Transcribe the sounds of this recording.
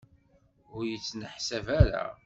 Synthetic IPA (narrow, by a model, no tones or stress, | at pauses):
ʊɾjət͡sːnəħsævæɾa̰